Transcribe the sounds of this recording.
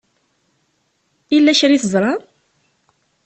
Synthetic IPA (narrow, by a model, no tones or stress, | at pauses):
ilːæçɾiθəzˤɾˤɑ